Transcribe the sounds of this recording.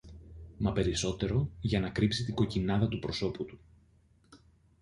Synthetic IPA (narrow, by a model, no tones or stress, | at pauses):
mɐpe̞ɾiso̞t̪e̞ɾo̞ʝɐnɐkɾipsit̪iɡo̞cinɐðɐt̪upɾo̞so̞put̪u̥